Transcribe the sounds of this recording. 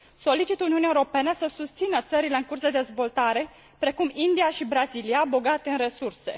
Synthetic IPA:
so̞lit͡ʃit̪uniuniaeuɾo̞penəsəsust̪sinət̪səɾile̞ɨŋkursd̪e̞d̪e̞zvo̞lt̪aɾe̞ | pɾe̞kumind̪iaʃibɾaziliabo̞ɡat̪eɨnre̞surse̞̰

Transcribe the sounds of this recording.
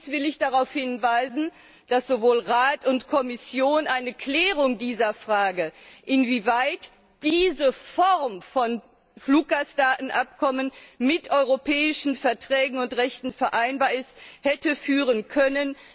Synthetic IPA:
sv̥ɪlɪçd̥aʁaʊfhɪnvaɪzn̩ | d̥asz̥ovoːlʁaːtʊntkʰɔmɪsjoːnʔaɪnəkʰlɛːʁʊŋdiːzɐfʁ̥aːɡəʔɪnviːvaɪt | d̥iːzəfɔʁmfɔn | fluːk̚ɡ̥asd̥aːtn̩ʔap̚kʰɔmənmɪtʔɔʏʁopɛːɪʃn̩fɛɐtʁ̥ɛːɡŋ̩ʊntʁɛçtn̩fɛɐʔaɪnbaːɐɪsthɛtəfyːʁənkʰœnən

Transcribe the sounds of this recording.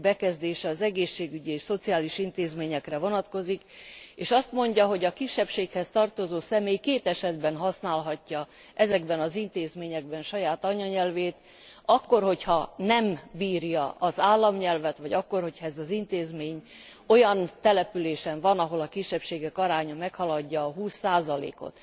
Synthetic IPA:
bɛkɛzd̪eːʃɛɒzɛɡeːʃːeːɡyɟieːʃso̞t̪siaːliʃint̪eːzmeːɲɛkrɛvo̞nɒt̪ko̞zikeːʃɒst̪mo̞ɲɟɒɦo̞ɟɒkiʃːɛpʃeːkhɛst̪ɒrt̪o̞zoːsɛmeːjkeːt̪ɛʃɛd̪bɛnɦɒsnaːlɦɒcːɒ | ʔɛzɛɡbɛnɒzint̪eːzmeːɲɛɡbɛnʃɒjaːt̪ɒɲɒɲɛlveːt̪ | ɒkːo̞rho̞chɒnɛmbiːrjɒʔɒzaːlːɒmɲɛlvɛt̪ʋɒɟɒkːo̞rho̞cʰhɒɛzɒzint̪eːzmeːɲ | o̞jɒnt̪ɛlɛpyleːʃɛɱvɒnɒɦo̞lɒkiʃːɛpʃeːɡɛkɒɾaːɲɒmɛkhɒlɒɟːɒːɦuːsːaːzɒlḛːko̞̰t̪

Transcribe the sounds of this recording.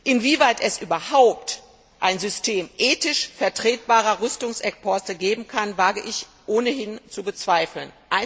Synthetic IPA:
ʔɪnviːvaɪtɛsʔyːbɐhaʊp̚t | ʔaɪnzʏstʰeːmʔɛːtɪʃfɛɐtʁ̥eːt̚b̥aːʁɐʁʏstʊŋsʔɛkpʰɔstəɡeːbm̩kʰanvaːɡəʔɪç | ʔoːnəhɪnt͡subət͡sv̥aɪfl̩nʔaɪ

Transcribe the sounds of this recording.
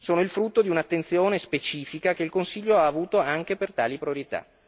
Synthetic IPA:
soːnoilfɾut̪ːod̪iunat̪ːent̪sjoːnespet͡ʃiːfikak̟eilkonsiʎːoaːvuːt̪oaŋk̟epert̪a̰ːlipɾioɾit̪a̰

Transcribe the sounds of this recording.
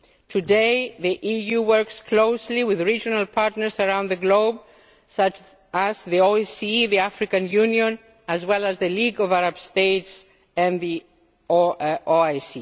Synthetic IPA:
tʰudeɪðiʔijuwɜ˞kskʰloʊsliwɪðɹid͡ʒɔnalpʰaɹtnəɹsəɹãw̃nðəɡloʊb̚ | sʌt͡ʃ | azðioisiðiafɹikãnjuniõn | ɨzwɛlazðəliɡɔvaɾab̥st̪eɪts | ɛ̃nði | osi

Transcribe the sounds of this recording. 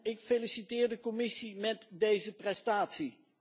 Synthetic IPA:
ɪkfelisitɪːɹdəkɔmɪsimɛtdejzəprɛstaːtsi

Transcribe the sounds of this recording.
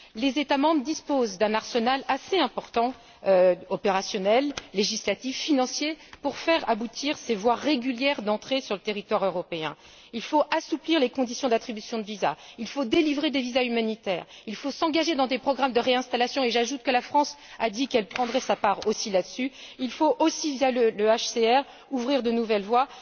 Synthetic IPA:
lezet̪amɑ̃bʁəd̪ispozd̪ɛ̃naʁsənalaseɛ̃pɔʁt̪ɑ̃ | øɔpeʁasjɔnɛlːeʒislat̪ifːinɑ̃sjepuʁfɛʁabut̪ʰiʁsevwaʁeɡʲyljɛʁd̪ɑ̃t̪χesyʁlət̪eʁit̪waʁøʁɔpeɛ̰̃ | ilfoʔasupliʁlekɔ̃d̪isjɔ̃d̪at̪χibysjɔ̃d̪əviza̰ilfod̪elivʁed̪evizaymanit̪ɛ̰ːʁ | ilfosɑ̃ɡaʒed̪ɑ̃d̪epχɔɡʁamd̪əʁeɛ̃st̪alasjɔ̃eʒaʒut̪̚kəlafχɑ̃s | ad̪ikɛlpχɑ̃d̪ʁɛsapaʁosilad̪əsyilfoʔosivjalələaʃseɛʁ | uvʁiʁd̪ənuvɛlvwa

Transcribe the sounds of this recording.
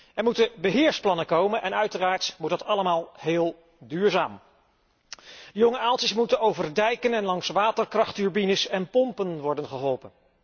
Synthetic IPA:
ɛɹmutəbəɦɪːɹsplɑnəkowmənʔɛnœɥtəraːɹtmut̚dɑtɑləmaːlˠɦɪːlˠ | dyːɹzaːm | dəjoŋəalˠtəsmutənowvərdɛjkənɛnlɑŋsʋaːtəɹkrɑχtyɹbinəsɛnpɔmpənʋɔɹdənχəɦɔlˠpən

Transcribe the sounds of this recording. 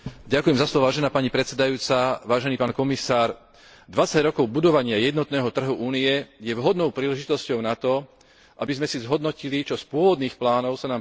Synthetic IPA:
ɟakujɛmzaslɔʋɔʋaːʒɛnaːpaɲipɾɛt̪sɛd̪ajuːt͡saʋaːʒɛniːpaːnkɔmisaːɾ | d̪ʋat͡saɟɾɔkɔʊbud̪ɔʋaɲɪajɛd̪nɔt̪nɛːɦɔt̪r̩ɦuʔuːniɛjɛʋɦɔd̪nɔʊpɾiːlɛʒit̪ɔscɔʊnat̪ɔ | ʔa̰bizmɛsizɦɔd̪nɔcilit͡ʃɔspʊɔʋɔd̪niːxplaːnɔʊsanaːm

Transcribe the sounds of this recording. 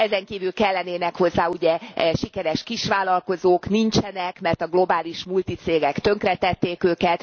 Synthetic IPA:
ɛzɛŋkiːvylkɛlːɛneːnɛkho̞zːaːuɟɛʃikɛɾɛʃkiʃʋaːlɒlko̞zoːknint͡ʃɛnɛkmɛrt̪ɒɡlo̞baːliʃmult̪it̪seːɡɛkt̪ø̞ŋkrɛt̪ɛt̪ːeːkøːkɛt̪

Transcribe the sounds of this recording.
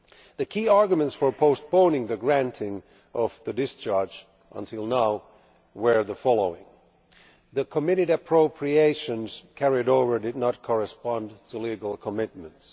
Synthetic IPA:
ðɨkʰiɑɹɡjmə̃ntsfə˞pʰoʊspõʊ̃nɪ̃ŋðɨɡɹæ̃ntʰɪ̃ŋ | ʔʌv̥ðɨdɨst͡ʃʰɑɹd͡ʒ | ʔə̰̃ntʰɪlˠnaʊ | wə˞ðəfɑlˠoʊɪ̃ŋ | ðɨkʰəmɪɾɨɾɨpʰɹ̥oʊpʰɹieɪʃɨ̃nz̥kʰɛɹɪɾoʊvə˞dɨdⁿnət̚kʰɔɹɨspɑ̃ntʰəliɡl̩ˠkʰəmɪt̚mə̃nts

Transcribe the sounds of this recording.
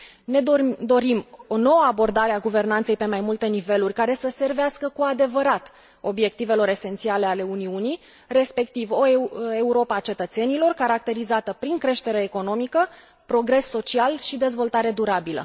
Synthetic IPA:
ned̪o̞ɾimo̞no̞wəabo̞rd̪aɾeaɡuve̞rnant̪se̞jpe̞majmult̪e̞nive̞lurʲkaɾe̞səse̞rveaskəkuad̪e̞vəɾat̪ | o̞bje̞k̚t̪ive̞lo̞ɾe̞se̞nt̪siale̞ale̞uniunij | re̞spe̞kt̪ivo̞e̞uɾo̞pəat͡ʃe̞t̪ət̪se̞nilo̞rkaɾak̚t̪e̞ɾizat̪əpɾiŋkɾe̞ʃt̪e̞ɾeːko̞no̞mikə | pɾo̞ɡɾe̞sːo̞t͡ʃialʃid̪e̞zvo̞lt̪aɾe̞d̪uɾabilə̰

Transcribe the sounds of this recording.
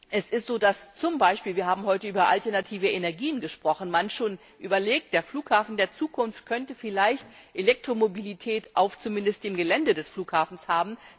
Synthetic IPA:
ʔɛsɪstz̥oːdast͡sʊmbaɪʃpiːlviːɐɦaːbm̩hɔʏtəʔyːbɐʔa̰ltɛɐnatʰiːvəenɛɐɡiːənɡəʃpʁ̥ɔχn̩manʃoːn | ʔyːbɐleːk̚t̚d̥eːɐfluːkhaːfn̩deːɐt͡suːkʰʊnft̚kʰœntəfɪlaɪçtʔelɛk̚tʁ̥omobilitʰɛːtʔaʊft͡sumɪndəstd̥emɡəlɛndədɛsfluːkhaːfn̩shaːbm̩

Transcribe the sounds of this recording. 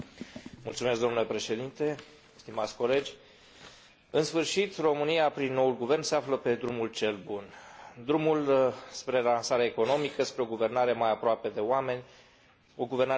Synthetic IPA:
multsumesk̚d̪o̞nule̞pɾe̞ʃe̞d̪int̪e̞ | st̪imat̪sʲko̞le̞d͡ʒʲ | ɨnsfɨrʃit̪ro̞mɨnijapɾinːo̞ulɡuve̞rnse̞afləpe̞d̪ɾumult͡ʃe̞lbund̪ɾumulspɾe̞lansaɾeeaeko̞no̞mikəspɾeo̞ɡuve̞rnaɾe̞majapɾoape̞d̪e̞oame̞nʲ | oɡuverna

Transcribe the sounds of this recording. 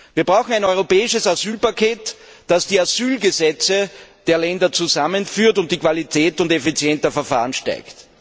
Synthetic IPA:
viːɐbʁaʊxŋ̩æɪnɔʏʁopɛːɪʃəsazyːlpakʰeːt | d̥asd̥iːaz̥yːlɡəzɛt͡səd̥eːɐlɛndɐt͡suzamənfyːɐtʊnt̚d̥iːkv̥alitʰɛːtʊntefit͡sjɛntdəɐfɛɐfa̰ːʁənʃta̰ɪkt

